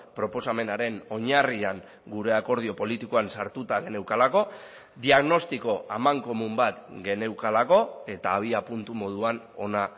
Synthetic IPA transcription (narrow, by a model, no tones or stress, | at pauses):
pɾo̞po̞same̞naɾe̞no̞ɲariaŋ | ɡuɾe̞ako̞ɾð̞io̞po̞lit̪ikoansaɾt̪ut̪aɣe̞ne̞wkalako̞ | d̪iaɣno̞st̪iko̞amaŋko̞mumbat̪ɡe̞ne̞wkalako̞e̞t̪aːβ̞iapunt̪umo̞ð̞uan | o̞na